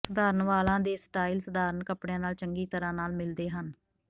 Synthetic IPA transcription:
səd̪aːɾənʋaːlãːd̪eːsʈaːiːlsəd̪aːɾənkəpɽejãːnaːlt͡ʃəŋɡiːt̪əɾãːnaːlmɪld̪eːɦən

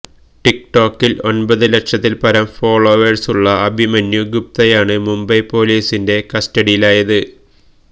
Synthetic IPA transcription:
ʈik̚ʈo̞ːkːilo̞̰nbɐðɨlekʂɐt̪ːilpɐɾɐmfo̞ːɭoːʋeɻsuɭːɐɐbʱimɐnjuɡup̚t̪ɐjaːɳɨmumbɐjpo̞ːliːsinde̞kɐstɐɽijilaːjɐðɨ

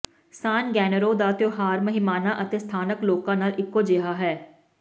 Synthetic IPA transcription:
saːnɡɛːnəɾoːd̪aːt̪joːɦaːɾməɦɪmaːnãːʔət̪eːst̪ʰaːnəkloːkãːnaːlʔɪkːoːd͡ʒeːɦaːɦɛː

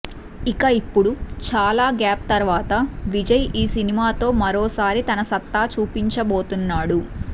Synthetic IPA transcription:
ikɐipːuɽut͡ʃaːlaːɡaːp̚t̪ɐɾʋaːt̪ɐʋid͡ʒɐjʔiːsinimaːt̪o̞ːmɐɾoːsaːɾit̪ɐnɐsɐt̪ːaːt͡ʃuːpiɲt͡ʃɐbo̞ːt̪unːaːɽu

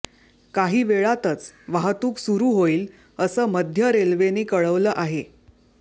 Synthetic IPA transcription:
kaɦiːʋeɭat̪ət͡sʋaɦt̪uːksuɾuːɦoiːl | əsəːməd̪ʱjəɾelʋeniːkəɭəʋləːʔaɦe

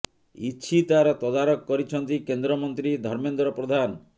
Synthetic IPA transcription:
it͡ʃʰit̪aɾɔt̪ɔd̪aɾɔkːɔɾit͡ʃʰɔnt̪ikend̪ɾɔmɔnt̪ɾid̪ʱɔɾmend̪ɾɔpɾɔd̪ʱan

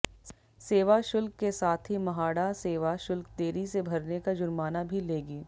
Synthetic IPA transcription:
seːʋaʃʊlkːesaːt̪ʰɦimɐɦaːɽaseːʋaʃʊlkd̪eːɾisebʱɐɾnekad͡ʒʊɾmaːnabʱileːɡiː

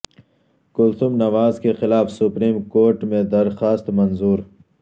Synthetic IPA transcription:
kʊlt̪ʊmnɐʋaːzkexɪlaːfsupɾiːmkoːɾʈmẽd̪ɐɾxaːst̪mɐnzuːɾ

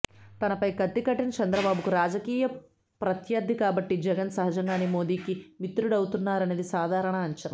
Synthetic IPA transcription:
t̪ɐnɐpɐjkɐt̪ːikɐʈːinɐt͡ʃɛnd̪ɾɐbaːbukuɾaːd͡ʒɐkiːjɐ | pɾɐt̪jɐɾd̪ʱːikaːbɐʈːid͡ʒɛɡɐnsɐɦɐd͡ʒɐŋɡaːnimo̞ːd̪iːkimit̪ɾuɽɐwt̪unːaːɾɐne̞ːd̪isaːd̪ʱaːɾɐɳɐːɲt͡ʃɐnɐ̰

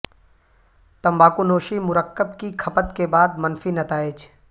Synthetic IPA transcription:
t̪ɐmbaːkunoːʃimʊɾəkːəb̚kikʰɐpət̪kebaːd̪mɐnfinɐt̪aːɪd͡ʒ

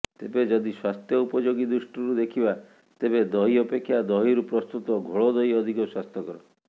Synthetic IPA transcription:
t̪ebed͡ʒɔd̪iswast̪ʰjɔupɔd͡ʒoɡid̪ɾusʈɔɾud̪ekʰiba | t̪ebed̪ɔɦiɔpekʰːjad̪ɔɦiɾupɾɔst̪ut̪ɔɡʱoɭɔd̪ɔɦiɔd̪ʱikɔswast̪ʰjɔkɔɾɔ

